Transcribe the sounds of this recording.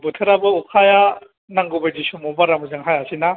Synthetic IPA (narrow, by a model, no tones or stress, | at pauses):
bɯtʰɯɾabɯukʰaja | naŋɡɯbajd͡ʒisumɔbaɾamɯzɯŋɦajasina